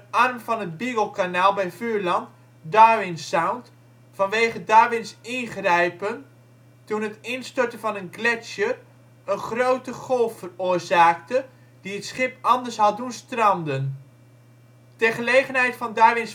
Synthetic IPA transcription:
ɑrmvɑnɦəd̚biɡəlˠkanaːlˠbɛjvyːɹlɑnt | daːʋɪnsawnt | fɑnʋejχədaːʋɪnsɪnχrɛjpən | tunɦətɪnstɔɹtəvɑnənɡlɛsə | ənχrowtəχɔlˠffəroːɹzaːktə | d̥iətsχɪpɑndəɹsɦɑldunstrɑmdən | tərχəlejχənɦɛjtfɑndaːʋɪns

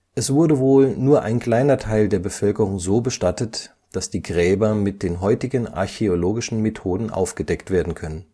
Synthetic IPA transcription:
ʔɛsv̥ʊɐdəvoːlnuːɐʔa̰ɪnkl̥aɪnɐtʰaɪldeːɐbəfœlkəʁ̞ʊŋzoːbəʃtatət | d̥asd̥iːɡʁɛːbɐmɪt̚d̥eːnɦɔʏtɪɡəna̰ɐçeoloːɡɪʃn̩metʰoːdn̩ʔa̰ʊfɡ̥ədɛktv̥eːɐdn̩kʰœnən

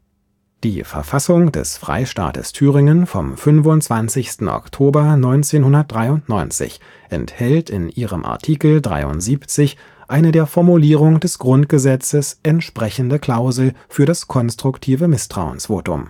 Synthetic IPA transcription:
d̥iːfɛ̰ɐfasʊŋd̥ɛ̰sfʁ̥a̰ɪʃta̰ːtə̰stʰyːʁɪŋənfɔ̰mfʏnvʊntt͡sv̥ant͡sɪçstn̩ʔɔ̰ktʰoːbɐnɔʏnt͡seːnhʊndɐt̚d̥ʁaɪʊntnɔʏnt͡sɪ̰ç | ʔɛ̰nthɛltɪnʔiːʁəmʔa̰ɐtʰiːkl̩dʁa̰ɪʊ̰ntz̥iːpt͡sɪç | ʔaɪnədeːɐfɔɐmuliːʁ̞ʊŋd̥ɛsɡ̥ʁʊnt̚ɡ̥əzɛt͡səsʔɛntʃpʁ̥ɛçn̩dəkʰl̥aʊzl̩fyːɐɾaskʰɔnstʁ̥ʊktʰiːvəmɪstʁ̥a̰ʊə̰nsv̥o̰ːtʊ̰m

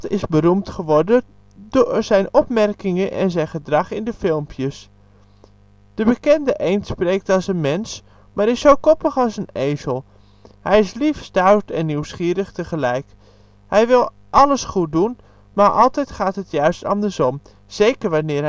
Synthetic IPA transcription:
tɪzbərumtχəʋɔɹdən | dʊːɹz̥ɛjnɔpmɛrkɪŋənʔɛ̰nzɛjnχədrɑχɪndəfɪlˠmpʰjəs | d̥əbəkɛndəʔejntsprejk̚tɑlˠsənmɛns | maːɾɪsowkɔpəχɑlˠsənejzəlˠ | hɛjɪslifstawtɛnːywsχiːɾəχtəχəlɛjk | hɛjʋɪlˠ | ʔɑləsχut̚dun | maːɹʔɑlˠtɛjtχaːtɦətjœɥstɑ̰ndəɹsɔm | z̥ejkəɹʋanɪːɹ

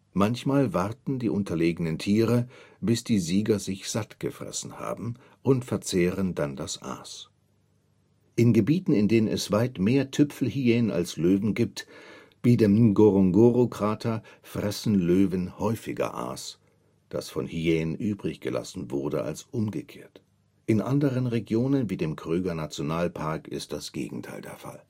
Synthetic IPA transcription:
mançmaːlvaʁtn̩diːʔʊntʰɐleːɡənəntʰiːʁəb̥ɪsd̥iːziːɡɐzɪçz̥atɡ̥əfʁ̥ɛ̰sn̩ha̰ːbm̩ | ʔʊntfɛɐt͡seːʁəndandasʔa̰ːs | ʔɪnɡəbiːtn̩ɪndeːnənɛsv̥aɪtmeːɐtʰʏpfl̩hieːnənʔa̰lsløːvn̩ɡiːp̚t | viːdeːmɡoʁɔŋɡoʁokʁ̥aːtʰɐfʁ̥ɛsn̩løːvənhɔʏfɪɡɐ̰ʔa̰ːs | d̥a̰sfɔnhieːnnʔyːbʁɪçɡ̥əlʔa̰sn̩vʊʁɐdəʔa̰lsʔʊmɡəkʰeːɐt | ʔɪnʔa̰ndəʁ̞ənʁeɡjoːnənviːdeːmkʁ̥øːɡɐnat͡sjonaːlpʰaɐkɪ̰st̚d̥asɡ̥ḛːɡŋ̩tʰaɪldeːɐfa̰l

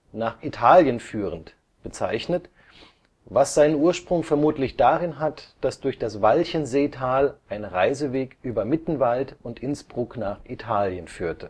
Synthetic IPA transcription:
naːχʔitʰaːljənfyːʁənt | b̥ət͡sa̰ɪçnət | vasz̥aɪnənʔuːɐʃpʁ̥ʊŋfɛɐmuːtlɪçd̥aːʁɪnɦatd̥asd̥ʊɐçd̥asvalçənzeːtʰaːlʔaɪnʁaɪzəveːkʔyːbɐmɪtn̩valtʊntʔɪnsb̥ʁʊknaːχʔitʰaːljənfyːɐtʰə

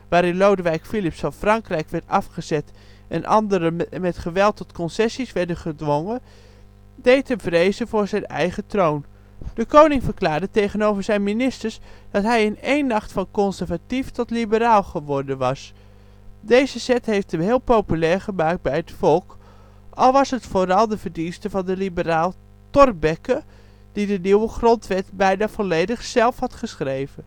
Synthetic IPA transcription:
ʋaːɾɪnlowdəʋɛjkfilɪpsɑfrɑŋkrɛjkʋɛɹtɑfχəzɛt | ʔɛ̰nʔɑ̰ndəɾəmɛtχəʋɛlˠtɔtkɔnsɛsisʋɛɹdənχədʋɔŋə | dejtənvrejzəvʊːɹzɛjnɛ̰jχətrown | d̥əkownɪŋvəɹklaːɹdətejχənowvəɹzɛjnminɪstəɹsd̥ɑtɦɛjɪnejnːɑχtfɑnkɔnsəɹvatiftɔtlibəɾaːlˠχəʋɔɹdənʋɑs | dejzəzɛtɦejftəmɦɪːlˠpowpylɛːɹχəmaːk̚d̚bɛjɦətfɔlˠk | ʔɑlˠʋɑsɦətfoːɾɑlˠdəvəɹdinstəvɑndəlibəraːlˠ | tɔrbɛkə | d̥idəniwəχrɔntʋɛtbɛjdav̥ɔlejdəχsɛlˠfhɑtχəsχrejvən

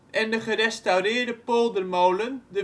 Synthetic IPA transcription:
ʔɛndəχərɛstawrɪːrdəpolˠdərmowləndə

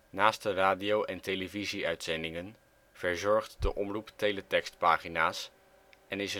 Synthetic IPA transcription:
naːst̚dəraːdiowʔɛntejləviziœɥtsɛndɪŋən | v̥əɹzɔɹχtdəʔɔmruptejlətɛkstpaːχinaːs | ɛnɪsə

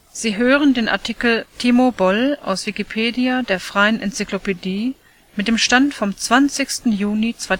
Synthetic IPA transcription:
z̥iːɦøːʁəndeːnʔa̰ɐtʰikl̩tʰiːmobɔlʔa̰ʊsv̥ikipʰeːdiadeːɐfʁ̥aɪənʔɛnt͡siklopediː | mɪt̚d̥eːmʃtantfɔmt͡sv̥ant͡sɪçstn̩juːnit͡sv̥aɪ

